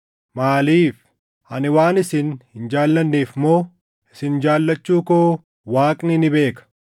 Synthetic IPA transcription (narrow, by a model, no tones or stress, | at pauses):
maːliːf | hɐnɪwaːnɪsɪnhɪnd͡ʒaːlːɐnːiːfmoː | ɪsɪnd͡ʒaːlːɐt͡ʃːuːkoː | waːkʼnɪnɪbe̞ːkɐ̥